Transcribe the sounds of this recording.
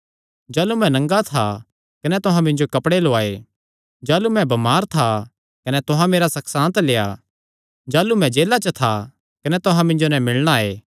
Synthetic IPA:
d͡ʒaːlumɛ̃nɐ̃ŋɡat̪ʰa | kɐnɛt̪ʊɦãmɪ̃ɲd͡ʒokɐpɽeloaːe | d͡ʒaːlumɛ̃bɐmaːɾt̪ʰa | kɐnɛt̪ʊɦãmeːɾasɐksãːnt̪leːja | d͡ʒaːlumɛ̃d͡ʒeːlat͡ʃɐt̪ʰa | kɐnɛt̪ʊɦãmɪ̃ɲd͡ʒonɛ̃mɪɭɽ̃aeː

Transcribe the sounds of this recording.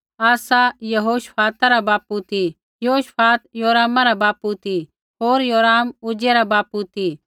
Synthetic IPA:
aːsajɐɦoːʃpʰaːt̪aɾabaːput̪ʰi | joːʃpʰaːt̪joːɾaːmaɾabaːput̪ʰi | ɦoːɾjoːɾaːmʊd͡ʒeɾabaːput̪ʰi

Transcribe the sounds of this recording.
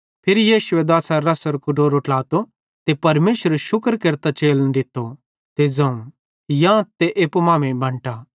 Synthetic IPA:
pʰɪɾijiːʃʊɛd̪aːsaɾɐsəɾkʊʈoːɾʊʈlaːt̪o | t̪epɐɾmeːʃəɾʃʊkɾkɐɾt̪at͡ʃeːld̪ɪt̪ːo | t̪ed͡zɐ̃ũ | jãt̪eʔeːpmãːmẽbʱɐ̃ɳʈa

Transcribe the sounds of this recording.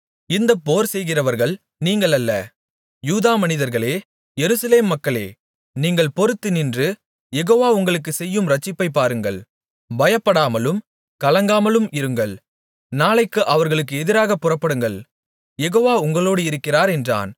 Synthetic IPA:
ɪnd̪ɐpːoːɾsɛjɣɪrɐʋɐɾɣɐɭ | niːŋɡɐɭɐlːɐ̰ | juːðaːmɐnɪðɐɾɣɐɭeː | jɛɾɯsɐleːmːɐkːɐɭḛː | niːŋɡɐɭpɔɾɯt̪ːɯnɪndrɯ | jɛɣoːʋaːʊŋɡɐɭɯkːɯsɛjːɯmɾɐt͡ʃːɪpːɐɪpːaːɾɯŋɡɐ̰ɭ | bɐjɐpːɐɽaːmɐlɯm | kɐlɐŋɡaːmɐlɯmɪɾɯŋɡɐɭ | naːlɐɪkːɯʔɐʋɐɾɣɐɭɯkːɯɛðɪɾaːɣɐpːʊrɐpːɐɽɯŋɡɐɭ | jɛɣoːʋaːʊŋɡɐɭoːɽɯɪɾɯkːɪraːɾɛndra̰ːn

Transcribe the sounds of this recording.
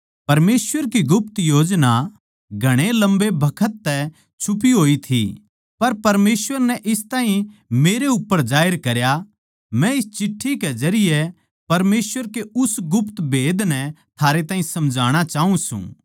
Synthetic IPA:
pɐɾmeːsʋəɾkiɡʊpt̪joːd͡ʒna | ɡʱɐɽ̃elɐ̃mbebʱɐkʰət̪ːɛ | t͡ʃʰʊp̬iɦoːit̪ʰḭ | pɐɾpɐɾmeːsʋəɾnɛʔɪst̪aːɦĩmeːɾeʊpːəɾd͡ʒaːəɾkɐɾja | mɛ̃ɪst͡ʃɪʈʰːikezɐɾɪjɛ | pɐɾmeːsʋəɾkeʊsɡʊpt̪bʱeːd̪nɛ̃t̪ʰaːɾet̪ãːɦĩsɐ̃md͡ʒʱaːɽ̃at͡ʃaːɦũsṵ̃ː

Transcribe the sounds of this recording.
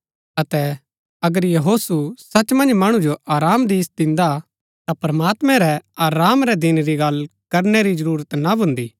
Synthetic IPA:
ɐt̪ɛ | ɐɡəɾjɐɦoːsusɐt͡ʃmɐ̃nd͡ʒmɐɽ̃ũd͡ʒoʔaːɾaːmd̪iːsd̪ɪ̃nd̪a | t̪apɾɐmaːt̪mɛ̃ɾɛaːɾaːmɾɛd̪ɪnɾiɡɐlkɐɾneɾizɐɾuːɾət̪nabʱʊ̃nd̪iː

